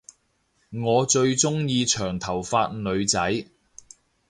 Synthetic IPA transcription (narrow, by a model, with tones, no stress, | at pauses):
ŋɔː˨˧t͡ʃɵ˧ɥt͡ʃʊ˥ŋjiː˧t͡ʃʰœː˨˩ŋt̪ʰɐ˨˩wfaː˧t̚nɵ˨˧ɥt͡sɐ˨˥j